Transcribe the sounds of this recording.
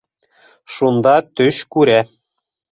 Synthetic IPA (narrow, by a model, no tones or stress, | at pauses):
ʃund̪ɑt̪øɕkuɾæ